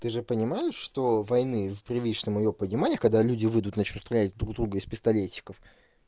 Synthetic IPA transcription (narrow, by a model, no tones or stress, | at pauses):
t̪ɨʐɨpənʲɪmajɪʂʂt̪o̞vɐjnɨvpɾʲɪvʲlʲiʂnəmɪjopənʲɪmanʲɪjəkɐɡ̚d̪alʲudʲɪvɨd̪ʊt̪nɐt͡ɕnʲust̪ɾʲɐlʲætʲd̪ɾuɡd̪ɾuɡəɪspʲɪst̪ɐlʲetʲːɪ̥kəf